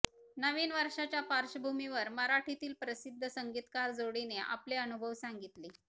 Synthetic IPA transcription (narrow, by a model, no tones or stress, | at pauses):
nəʋiːnʋəɾʂat͡ɕjapaɾʂəbʱumiʋəɾməɾaʈʰit̪iːlpɾəsid̪ʱːəsəŋɡit̪kaɾd͡zoɽineʔa̰pleənubʱəʋsaŋɡit̪li